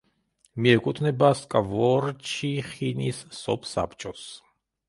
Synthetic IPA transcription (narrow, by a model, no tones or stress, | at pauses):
miɛkʼut̪ʰʼnɛbaskʼavɔɾt͡ʃʰiχinisːɔ̰pʰsa̰pʰt͡ʃʼɔs